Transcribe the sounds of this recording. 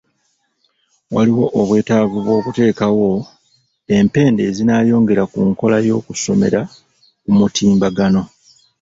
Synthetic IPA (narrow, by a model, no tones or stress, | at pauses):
waliwo̞ʔoβwe̞ːtavuβwo̞ːkute̞ːkawo̞ | e̞mpe̞ːnde̞ːzinaːjo̞ːŋɡe̞ɾakuŋko̞lajo̞ːkuso̞̰me̞̰ɾa | kumutʰiːmbaɡano̞